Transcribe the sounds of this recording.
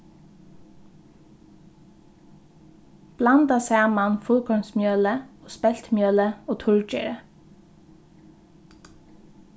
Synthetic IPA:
b̥lɑnd̪ɑsæːmɑnfʊlkʰɔmsmjøːləoːspɛlt̪mjøːləoːt̪ʰʊɹd͡ʒḛɹə

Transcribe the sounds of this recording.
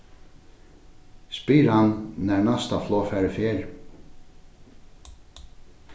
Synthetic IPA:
spiːɾhannɛɹnast̪aflɔːfɛːɹəfjɛːɾ

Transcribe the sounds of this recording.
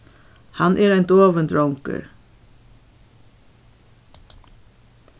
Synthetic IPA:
hɑnʔeːɾæɪnd̪oːʋənd̪ɹɔŋkə̰ɹ

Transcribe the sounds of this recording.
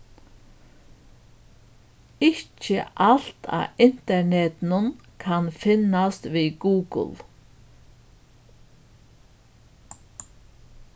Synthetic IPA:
ɪcə̰ʔal̥t̪ʰa̰ːɪn̥t̪ɛɳɛt̪nənkʰanfɪnast̪ʋiːɡuːɡə̰l

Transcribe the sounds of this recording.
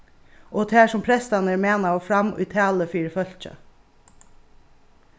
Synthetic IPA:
ɔːt̪ʰæːʂʊmpʰɾɛst̪anəɾmeːnaɔːfɾɑmʉ̰ːt̪ʰæːləfiːɾfœl̥t͡ʃə̰

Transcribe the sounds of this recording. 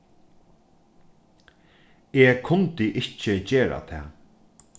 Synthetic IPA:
eːkʰʊnt̪ɪʔɪhcɪt͡ɕeːɾa̰t̪ʰɛ̰ː

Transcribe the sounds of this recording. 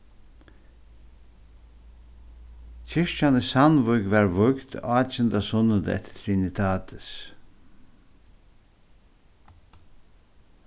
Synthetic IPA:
cʰɪʂt͡ʃanɪsanvʊjɡʋaɹvʊkt̪ɑːt͡ʃɪnd̪asʊnːəd̪ɛ̰t̪t̪ʰɾinɪt̪ʰaːt̪ʰɪ̥s

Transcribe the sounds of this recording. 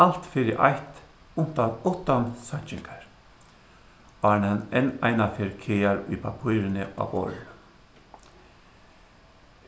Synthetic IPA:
al̥t̪fɪɾɪʔa̰jht̪ | ʊn̥t̪aðɔht̪ansaɲt͡ʃɪŋkaɹ | aɹnɛnɛnajnafɛɾkʰeːaɾʊjpapʰujɾɪnɪa̰ːvɔ̰ɾ

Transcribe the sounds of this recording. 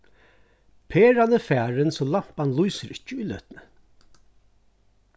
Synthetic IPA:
pʰeːɾanːəfæːɾɪnsɔlam̥panlujsəɾɪ̥t͡ʃːəʊjlœ̰ːt̪nə

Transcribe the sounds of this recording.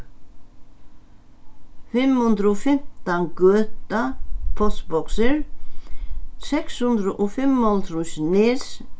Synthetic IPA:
fɪmːhɵnd̪ɾɔfɪm̥t̪ankœːt̪apʰɔtbɔksɪɾ̥ | sɛkshʉnd̪ɾʏʔɔfɪmːɔlt̪ɾusnɪs

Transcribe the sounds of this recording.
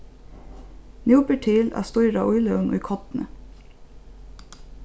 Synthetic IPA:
njuːpəʈʰiːlʔæ̰ːst̪uʏɾɑ̰ʔʊʏləʉŋʔʊ̰ʏkʰɔt̪n̩ə̰

